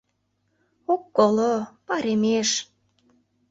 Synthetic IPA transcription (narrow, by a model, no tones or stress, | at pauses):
okːolopɑɾemeʃ